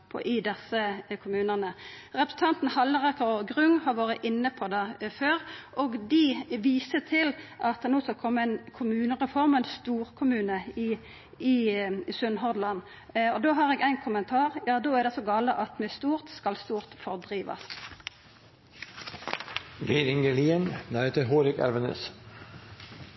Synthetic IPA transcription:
pʰɔ̰ʔɪd̪ɛsəkʰʊmʉːnəʁnəʁɛpɾʁ̥sn̩t̪ʰɑnt̪n̩hɑlːəʁɑkəʁɡʁʉŋːhɑʁʋɑːɾəʔɪnːəpʰɔd̪ɑːføːɾʔɔɡd̪ɪʋiːsət̪ʰɪlʔɑt̪̚d̪ɛnoːskɑlkʰɔmːəæɪnkʰʊmʉːnəʁɛfɔʁmənst̪uːʁkʰʊmʉːnəɪ | ɪsʉnɦɔʁd̪lɑn | ɔd̪oːɦɑʁeːɡæɪnkʰʊmənt̪ʰɑːʁjɑːd̪oːæd̪ɛsoɡɑːləʔɑt̪mɛst̪uːʁt̪skɑlst̪uːʁt̪fɔʁd̪ʁiːʋɑ̰s | ɡiɪɾɪŋɡəliːənnæhet̪əɾɦoːɾɪkɛ̰lʋənə̰s

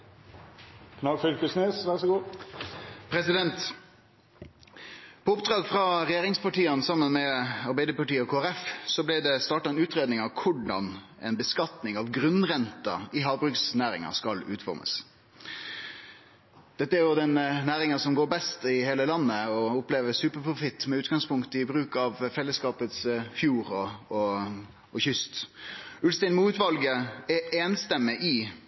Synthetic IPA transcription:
kʰnɑɡfʏlkəsneːsʋæʁsɔɡuː | pʰɾɛsɪd̪ɛnt̪ | pʰɔʊpd̪ʁɑːɡfʁɑʁɛjeːʁɪŋspɑʈiːənsɑmːənmɛɑɾbæɪd̪əpɑʈiːɔkʰoːæɾɛfsɔblɪd̪ɛst̪ɑːʈɑɛnʉːt̪ʁeːd̪nɪŋɑʋkʰʊɖɑn | ɛ̰nbəskɑt̪nɪŋɑʋɡʁʉnʁɛnt̪ɑ̰ɪɦɑːʋbʁʉksnæːɾɪ̰ŋɑ̰skɑlʉ̰ːt̪fɔ̰ʁmə̰s | d̪̥ɛt̪ːəæɾjʊd̪ɛnnæːɾɪŋəsɔmɡoːɾbɛst̪ɪheːləlɑnːəɔʊpleːʋəsʉːpəpʰɾʊfɪt̪ːmɛʉːt̪ɡɑŋspʰʊŋkt̪əɪbɾʉːkɑʋfɛlːəskɑːpət̪sfjuːɾɔɔ | ɔçʏst̪ʉlst̪æɪnmuːt̪ʋɑlɡəɛeːnst̪ɛmːəʔɪ

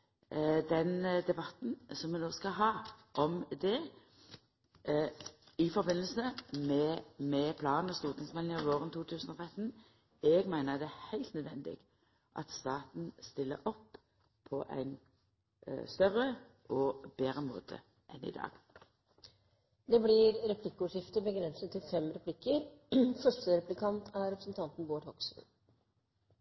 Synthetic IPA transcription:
d̪ɛnd̪ɛbɑt̪n̩sɔmːʋɛnoːskɑɦɑːʔɔmd̪ɛ | ɪfɔɾbɪnːəl̩səmɛmɛpʰlɑːnnɔst̪uːʁt̪ɪŋsmɛnlɪŋɪoːʁənt̪ʰuːt̪ʰʉːsənɔt̪ʰʁɛt̪n̩ | ɛɡmæɪnəd̪ɛæhæɪlt̪nœd̪ʋɛnd̪ɪ̰ɡ̥ | ʔɑ̰t̪st̪ɑːt̪n̩st̪ɪlːə̰ʔɔpːʰ | ɔʔæ̰ɪn | st̪œʁəʔɔbeːɾəmo̰ːt̪ʰə̰ | ʔɛnɪ̰d̪ɑ̰ːɡ̥ | d̪ɛblɪɾɾɛpʰlɪkːəʊʂɪft̪əbəɡɾɛnsət̪ʰːɪlfɛmɾɛpʰlɪkːəɾfœʂʈəɾɛplɪkʰɑnt̪ʰæɾɛpɾəsn̩t̪ʰɑnt̪n̩boːʈhɔksn̩

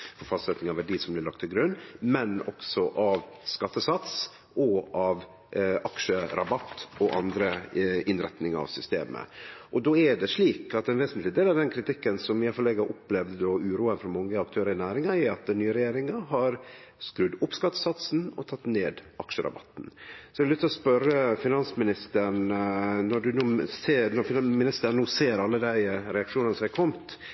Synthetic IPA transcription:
fɔɾfɑst̪sɛt̪nɪŋɑʋæɖiːsɔmblɪlɑk̚t̪ʰːɪlɡɾʉnːmɛnɔ̰ksɔʔɑʋskɑt̪ːəsɑt̪s | ʔɔʔɑʋ | ʔɑkʂəɾʔɑbɑt̪ːɔʔɑnd̪ɾəɪnɾɛt̪nɪŋɑ̰ʋsʏst̪ḛːmə̰ʔɔd̪oːɛɖɛʂɭiːkɑt̪ɛnʋeːsnt̪lɪd̪eːlɑʋd̪ɛnkʰɾɪt̪ɪkːənsɔmɪːɑfɔleːɡəɾʔʊplɛʋd̪əd̪oːʉːɾuːənfɔɾmɔŋːəɑkt̪ʰøːɾəɾɪnæːɾɪŋɑɛɑt̪̚d̪ɛnːyːəɾɛjeːɾɪŋɑɦɑɾ | skɾʉd̪ʊpskɑt̪sɑt̪snɔt̪ʰɑt̪ːneːd̪ʔɑkʂəɾɑ̰bɑt̪ːn̩sɔɛɪlʏkt̪ːlɔspœɾəfɪnɑnsmɪnɪst̪əɳnɔɖʉnuːseːnɔɾfɪmɪnɪst̪ənuːseːɾɑlːəd̪æɪɾɛɑkʂuːnɑnəsɔmækʰɔmt̪

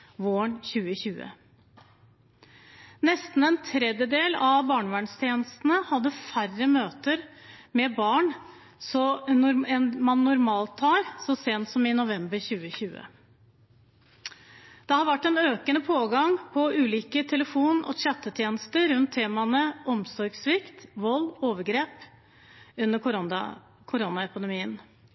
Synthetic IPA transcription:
ʋoːɳçʉːəçʉːə̰ | nɛst̪n̩ɛnt̪ʰɾɛd̪jəd̪eːlɑʋbɑːɳʋæːɳst̪ʰjeːnəst̪n̩əhɑd̪ːəfærəmøːt̪əɾmɛbɑːɳ | sɔnʊɾɛnmɑnːʊɾmɑːlt̪ʰːɑːɾsɔseːnt̪sɔmɪnʊʋɛmbəɾçʉːəçʉːə̰ | d̪̥ɛhɑɾʋæʈːɛnøːkənəpʰoːɡɑŋpʰɔʉːliːkət̪ʰɛləfuːnɔ̰ɕɛt̪ːət̪ʰjeːnəst̪əɾʉnt̪ʰːeːmɑnəʔɔmsɔɾɡsʋɪkt̪ʋɔlːoːʋəɾɡɾeːp | ʉnːəɾkʊɾ̰ | kʰʊɾɔnɑɛpɪd̪ɛmiːən

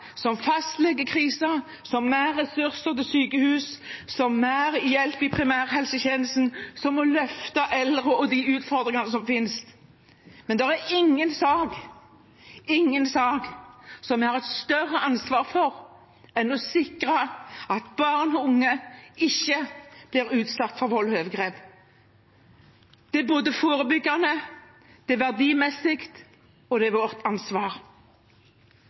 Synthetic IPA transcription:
sɔmfɑst̪lɛɡːəkʰʁiːsɑ | sɔmːæːɾɛsʉɾsəʁt̪ɪsyːkəhʉːssɔmːæːɾjɛlpɪpʰʁɪmæːʁhɛlsəçeːnəlsnsɔmːɔlœft̪ɑʔɛld̪ʁəɔd̪iʉːt̪fɔʁd̪ʁɪŋɑnəsɔmfɪnst̪ | mɛnd̪ɛʁæɪŋːənsɑːɡ | ɪŋːənsɑːɡsɔmʋɛhɑɾʁɛt̪st̪œrːəɑnsʋɑːʁfɔʁ | ɛnɔsɪkɾɑɑt̪bɑːʁnʊŋːəɪçːəb̥lɪɾʉːt̪sɑt̪ːfɔʁʋɔlhøːʋɡʁeːp | d̪̥ɛboːd̪əfoːɾəbʏɡːɑnə | d̪̥ɛʋæʁd̪iːmɛsːɪkt̪ | ɔd̪ɛʋɔːɾt̪ʰɑnsʋɑːʁ

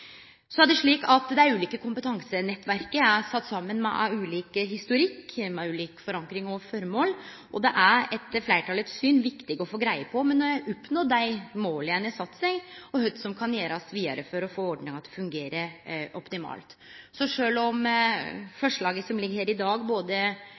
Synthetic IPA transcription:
sɔæɖ̪ɛʂɭiːkɑt̪d̪ɛæɾʉːliːkəkʰʊmpət̪ʰɑŋsənɛt̪ːʋæɾkəæsɑt̪ːsɑmːənmɛ̰ʔʉːliːkəɦɪst̪ʊɾɪkːmɛʉːliːkfɔɾɑŋkɾɪŋɔfɔɾmoːl | ʔɔd̪ɛʔæɾɛt̪flæɪʈʰɑːlət̪sːyːnʋɪkt̪ɪɡɔfoːɡɾæɪəpʰɔmɛnːɔjæʔɔpnoːd̪æɪmoːləænəsɑt̪ːsɛɡɔhœd̪sɔmkʰɑnjeːɾɑsʋiːɑ̰ɾəfɔɾɔfoːɔɖɳɪŋɑt̪d̪ɛfʉŋɡeːɾəɾʔɔpt̪ɪmɑ̰ːlt̪ | sɔʂøːlɔm | fɔʂɭɑːɡəsɔmlɪɡːɾheːɾɪd̪ɑːɡboːd̪ə

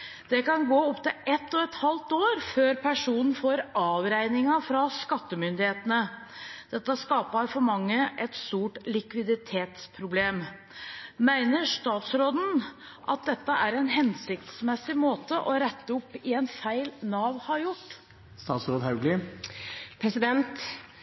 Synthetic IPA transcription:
d̪̥ɛkɑnɡoːɔpt̪ɪlɛt̪ːɔɛt̪hɑlt̪oːɾføːɾpʰæʂuːnən̩foːɾɑːʋɾæɪnɪŋɑfɾɑskɑt̪ːəmʏnd̪ɪheːt̪ənə | d̪̥ɛt̪ːəskɑːpɑɾfɔɾmɑŋːəʔɛt̪st̪uːʈlɪkʋɪd̪ɪt̪ʰeːt̪spʰɾʊbleːm | mæɪnəɾʂt̪ɑːt̪sɾoːd̪n̩ | ʔɑ̰t̪̚d̪ɛt̪ːəʔæɾɛnɦɛnsɪk̚t̪smɛsɪmoːt̪əʔɔɾɛt̪ːəʊpːɪɛnfæɪlnɑːʋhɑɾjʊʈː | st̪ɑːt̪sɾoːd̪ɦɑʉɡlɪ | pʰɾɛsɪd̪ɛnt̪

